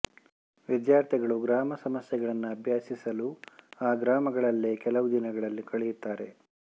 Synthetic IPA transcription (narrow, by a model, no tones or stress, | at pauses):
ʋid̪jaːɾt̪ʰiɡɐɭuɡɾaːmɐsɐmɐsjɛɡɐɭɐnːuɐbʱjaːsisɐluaːɡɾaːmɐɡɐɭɐlːekɛlɐʋud̪inɐɡɐɭɐlːikɐɭɛjut̪ːaːɾe̞